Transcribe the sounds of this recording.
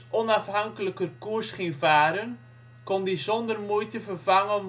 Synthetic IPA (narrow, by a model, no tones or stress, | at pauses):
ʔɔnɑfɦɑŋkələkərkursχinvaːɾən | kɔndizɔndərmujtəvərvɑŋən